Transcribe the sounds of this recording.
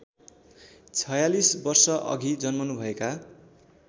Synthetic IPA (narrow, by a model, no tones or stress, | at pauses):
t͡sʰʌjalisbʌrsʌʔʌ̰ɡʱid͡zʌnmʌnubʱʌeka